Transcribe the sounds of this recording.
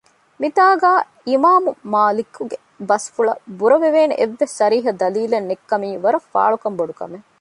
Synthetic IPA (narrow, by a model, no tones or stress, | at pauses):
mit̪aːɡaː | imaːmumaːlikuɡe | bɐsfuɭɐbuɾɐʋeʋeːnḛʔeʋːesʃɐɾiːɦɐd̪ɐliːlenːekːɐmiːʋɐɾɐfa̰ːɭukɐmboɖukɐ̰me